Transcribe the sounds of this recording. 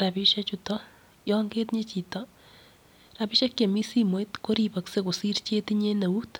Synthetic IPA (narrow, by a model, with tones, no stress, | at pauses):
ra˨pi˦ʃa˦t͡ʃutɔ˦ | jɔŋɡe˦tɲe˦t͡ʃi˨tɔ | ra˨pi˦ʃa˦kje˨mi˦si˦mwe˨˦t̪ko˦ɾipɐ˨kse˦ko˨si˦rt͡ʃe˦tiɲe˦nɐ˨u˦t